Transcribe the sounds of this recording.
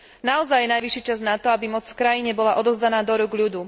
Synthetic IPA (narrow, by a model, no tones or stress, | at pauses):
naɔzajːɛnajʋiʃit͡ʃaznat̪ɔabimɔt͡sfkɾajiɲɛbɔlaʔɔd̪ɔʊzd̪anaːd̪ɔɾuɡʎud̪uː